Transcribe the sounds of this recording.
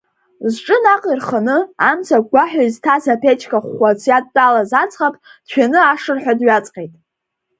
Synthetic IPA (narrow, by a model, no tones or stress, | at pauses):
zʈ͡ʂʼɨnaqʼirχanɨamt͡sʰaɡʷaħᶣaztʰazapʰet͡ʃʰkʰaχʷat͡sʷʰjad̚ːʼalazat͡sʼχapʼd̥t͡ʃʷᶣanɨaʂɨrħʷᶣadɥat͡sʼqʼejtʼ